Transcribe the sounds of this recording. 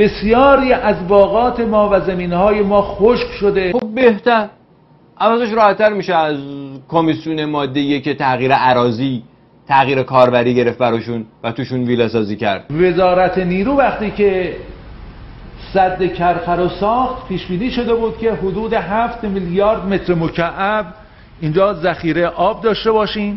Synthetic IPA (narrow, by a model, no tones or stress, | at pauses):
b̥e̞sjɒːɾiːʔæzbɒːɣɒːt̪ʰe̞mɒːvæzæmiːnhɒːje̞mɒːxoʃkʃod̪e̞xob̚be̞ht̪æɾ | ʔævæzæʃ̬ɾɒːhæt̪ʰːæɾmiːʃeæzkʰomisjuːnemɒːd̪ːejecʰet̪ʰæɣiːɾeʔæɾɒːziː | t̪ʰæɣiːɾekʰɒːɾbæɾiːɟe̞ɾe̞ft̪̚bæɾɒːʃunvæt̪ʰuːʃuːnviːlɒsɒːziːcʰæ̰ɾd̪̥ve̞zɒːɾæt̪ʰeniːɾuːvæxt̪iːce | sæd̪ːekʰæɾfæɾosɒːxt̪pʰiːʃbiːniːʃo̞d̪e̞buːd̪̚kʲʰe̞ɦod̪uːd̪e̞ɦæft̪miljɒːɾd̪me̞t̪ʰɾemocʰæʔæb | ind͡ʒɒːzæxiːɾeʔɒːb̚d̪ɒːʃt̪ebɒːʃiːm